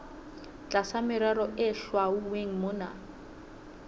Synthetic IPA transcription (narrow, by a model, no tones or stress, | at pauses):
t͡ɬʼasamɪɾaɾɔʔɪɬwauweŋ̩moːna̰